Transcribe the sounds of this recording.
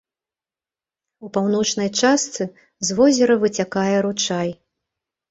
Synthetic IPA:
upawnɔt͡ʂnɐjt͡ʂast̪sɨ | zvɔzʲɛɾɐvɨt͡sʲakajɛɾut͡ʂaj

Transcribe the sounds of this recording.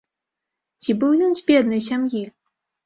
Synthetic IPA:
t͡sʲibɨwnʲɨnzʲbʲɛd̪nɨjɕ̬ʲamji

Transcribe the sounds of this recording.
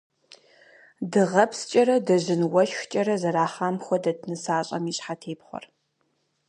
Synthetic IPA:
dɨʁɐpʰst͡ʃʼɐɾɐdɐʑɪnwɐʃxt͡ʃʼɐɾɐzɐɾaːχaːmxʷɔdɐtʰnɨsaːɕʼɐ̰miːɕʼħatʰeːpχʷɔ̰r

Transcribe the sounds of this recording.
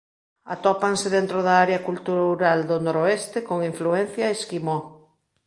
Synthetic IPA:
a̰t̪ɔpaŋseðent̪ɾoðaaɾeakult̪uɾauɾald̪onoɾoest̪ekoŋiɱfluɛn̟θjaeskimɔ

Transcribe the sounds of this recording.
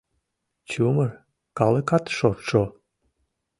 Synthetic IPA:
t͡ɕumər | kɑlekɑt̪ʃorʃo

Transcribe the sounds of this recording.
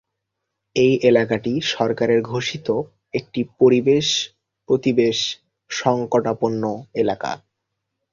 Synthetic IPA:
ejʔelakaʈiʃɔɾkaɾeɾɡʱoʃit̪o | ek̚ʈipoɾibeʃ | pɾot̪ibeʃ | ʃɔŋkoʈaponːoelaka̰

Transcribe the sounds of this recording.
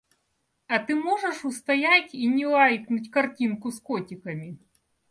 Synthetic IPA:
ɐt̪ɨmɔʐɛʂʊst̪ɐjatʲinʲɪlˠajknʊtʲkɐrtʲinkʊskɔtʲɪkɐmʲi

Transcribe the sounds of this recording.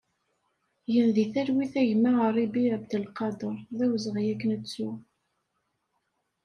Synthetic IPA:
jənðiθæɾwiθæʝmːəʁərˤːibiəbd̪əlqɑd̪əɾˤðæwzʁjækːənət͡sːu

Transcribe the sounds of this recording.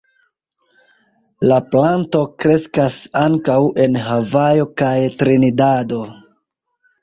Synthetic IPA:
laplanto̞kɾe̞skasaŋkawe̞nɦavajo̞kajtɾinidado̞

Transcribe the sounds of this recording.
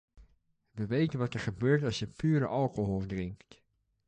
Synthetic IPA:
ʋəʋejtənʋɑtɛɹχəbøːɹtɑlˠsjəpyːɾə̰ʔɑlˠkoɦɔlˠdrɪŋkt

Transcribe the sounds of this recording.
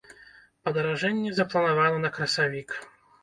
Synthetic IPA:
pɐd̪ɐɾaʐɛnʲːɛzɐplˠɐnavanɔnɐkɾɐsavʲik

